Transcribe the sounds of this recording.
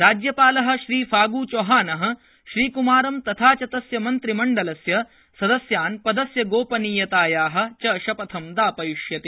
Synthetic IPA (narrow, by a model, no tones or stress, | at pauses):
ɾaːd͡ʒjɐpaːlɐɦɐ̆ʃɾiːfʰaːɡuːt͡ʃoːɦaːnɐɦɐ̆ | ʃɾiːkumaːɾɐmt̪ɐt̪ʰaːt͡ʃɐt̪ɐsjɐmɐnt̪ɾimɐɳɖɐlɐsjɐ | sɐd̪ɐsjaːnpɐd̪ɐsjɐɡoːpɐniːjɐt̪aːjaːɦɐ̆t͡ʃɐːʃɐpɐt̪ʰɐmd̪aːpɐjuʃjɐt̪i